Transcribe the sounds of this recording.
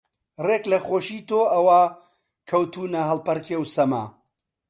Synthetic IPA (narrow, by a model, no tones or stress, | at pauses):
reːklɐxoːʃiːt̪oːʔɐwa | kʰɐwt̪ʰuːnɐɦɐlpɐɾkʰewsɐma̰ː